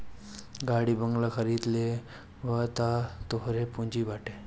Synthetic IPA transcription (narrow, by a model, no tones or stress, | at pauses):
ɡaɽiːbəŋɡlakʰəɾiːd̪le | ʋət̪at̪oɦɾepũɲd͡ʑiʋaʈe